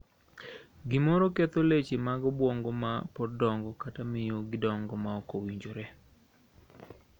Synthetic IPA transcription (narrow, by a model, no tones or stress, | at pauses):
ɡɪmɔɾɔket̪olet͡ʃemaɡɔbwɔŋɡomapɔdɔŋɡɔkatamɪjoɡɪdɔŋɡɔmaɔkowiɲd͡ʒoɾɛ